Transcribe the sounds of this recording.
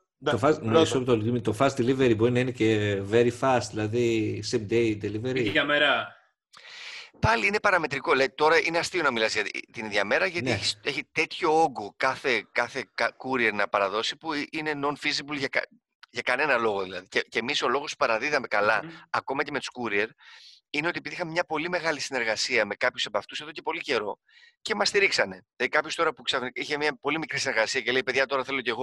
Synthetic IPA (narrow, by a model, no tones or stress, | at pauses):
tofɐsnsopt̪old̪imit̪ofɐsd̪eliveɾibo̞ɾinɐineceveɾifɐst̪ðilɐðisemd̪ejd̪eliveɾiɐmeɾɐ | pɐliine̞pɐɾɐme̞t̪ɾiko̞let̪o̞ɾɐʔineɐst̪io̞nɐmilɐzʝɐt̪it̪iniðʝɐme̞ɾɐʝɐt̪eçise̞çit̪e̞t̪ço̞oɡokɐθe̞kɐθe̞kɐkuɾieɾnɐpɐɾɐðo̞sipuine̞no̞nfizibulʝɐkɐ̰ | ʝɐkɐne̞nɐlo̞ɣoðilɐðiceceːmiso̞lo̞ɣosu̥pɐɾɐðiðɐme̞kɐlɐɐko̞mɐce̞met̪u̥skuɾie̞ɾineo̞t̪iepiðixɐmemɲɐpo̞lime̞ɣɐlisine̞ɾɣɐsiɐme̞kɐpçu̥se̞pɐft̪useðo̞cepo̞lice̞ɾo̞ | ce̞mɐst̪iɾiksɐne̞lɐðikɐpçost̪oɾɐpuksɐvniçemɲɐpo̞limikɾisineɾɣɐsiɐceleipeðʝɐt̪o̞ɾɐθe̞lo̞ceɣo̞